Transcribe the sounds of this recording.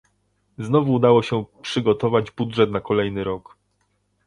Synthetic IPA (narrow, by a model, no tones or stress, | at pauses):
znɔvuːd̪awɔɕɛpʂɘɡɔt̪ɔvad͡ʑbudʐɛt̪nakɔlɛjnɘɾɔk